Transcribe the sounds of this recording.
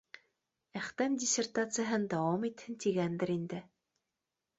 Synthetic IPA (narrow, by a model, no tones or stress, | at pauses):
æχt̪æmdʲɪsʲert̪at̪sɨjɐɦɤnd̪ɑomit̪hɘ̆nt̪iɡænd̪ɘ̆ɾind̪ɘ